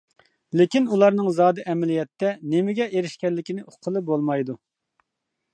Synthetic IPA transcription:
lekʲinulˠɑɾnɨŋzɑːd̪ɨʔɛmɛlijɛt̪ʰːɛnemɪɡʲɛʔeɾɪʃkʲɛnlːɪkʲinɪʔoqʰːəlˠɨbolˠmɑjd̪u

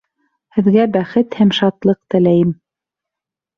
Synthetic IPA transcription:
hɘ̆ðɡæbæχɘt̪hæmʃɑt̪lˠɤq̚t̪ɘ̆læjɘm

